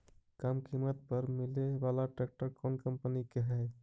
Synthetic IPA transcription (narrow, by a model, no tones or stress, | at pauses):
kamkimət̪̚pəɾmileʋalaʈɛk̚ʈəɾkɔnkəmpənikeɦɛɪ